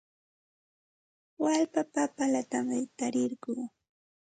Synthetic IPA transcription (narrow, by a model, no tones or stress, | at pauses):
walpapapalat̪amɪt̪aɾɪɾɢuː